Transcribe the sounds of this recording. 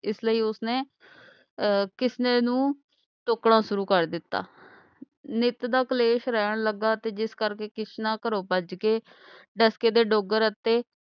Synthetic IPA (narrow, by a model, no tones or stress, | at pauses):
ɪsləiːʊsneː | kɪsneːnũː | ʈʊkɽãːsʊɾuːkəɾd̪ɪt̪ːa̰ː | nɪt̪d̪aːkəleːʃɾɛːɳ̃ləɡːaːt̪eːd͡ʒɪskəɾkeːkɪsnãːkəɾoːpəd͡ʒkeː | ɖəskeːd̪eːɖoːɡəɾət̪ːeː